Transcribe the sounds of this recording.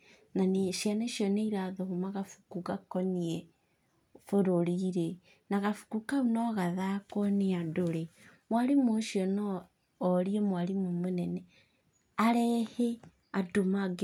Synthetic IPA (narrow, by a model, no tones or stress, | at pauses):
naniʃaneʃjoneiɾaðohumaɣafu̥kuɣakonie | foɾoɾiɾe | naɣafu̥kukaunoɣaðakoniadoɾemwaɾimoʃjonoː | ɾiemwaɾimumunene | aɾehe | adomaɡ